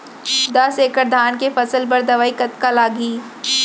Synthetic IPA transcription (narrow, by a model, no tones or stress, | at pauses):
d̪ɐseːkəɾd̪ʱaːnkefɐsəlbɐɾd̪ɐʋaːikɐt̪kalaːɡiː